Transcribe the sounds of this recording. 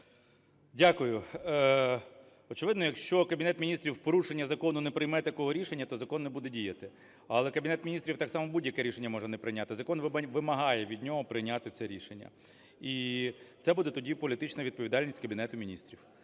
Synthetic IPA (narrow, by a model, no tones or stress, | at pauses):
dʲakʊjʊ | ɔt͡ʃɪʋɪd̪nɔjɐkʃt͡ʃɔkɐbʲinɛt̪mʲinʲist̪ɾʲiwpɔɾuʃenʲːɐzɐkɔnʊnɛpɾɪjmɛt̪ɐkɔɦɔɾʲiʃenʲːɐt̪ɔzɐkɔnːɛbud̪ɛdʲijɐt̪ɪ | ɐlˠɛkɐbʲinɛt̪mʲinʲist̪ɾʲiwt̪ɑksɑmɔbudʲjɐkɛɾʲiʃenʲːɐmɔʒɛnɛpɾɪjnʲat̪ɪzɐkɔnʋʋɪmɐɦɑjɛʋʲid̪ʲnʲɔɦɔpɾɪjnʲat̪ɪt̪sɛɾʲiʃenʲːɐ̰ | it̪sɛbud̪ɛt̪ɔdʲipɔlʲit̪ɪt͡ʃnɐʋʲid̪̚pɔʋʲid̪ɑlʲnʲisʲtʲkɐbʲinɛt̪ʊmʲinʲist̪ɾʲiw